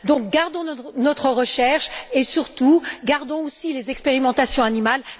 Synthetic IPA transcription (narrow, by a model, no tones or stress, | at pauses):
d̪ɔ̃k̚ɡaʁd̪ɔ̃nɔnɔt̪χəʁəʃɛʁʃesyʁt̪uɡaʁd̪ɔ̃osilezɛkspeʁimɑ̃t̪asjɔ̃animal